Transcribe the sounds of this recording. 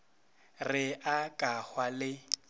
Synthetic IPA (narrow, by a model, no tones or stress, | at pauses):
rɪʔakʼahwalɪ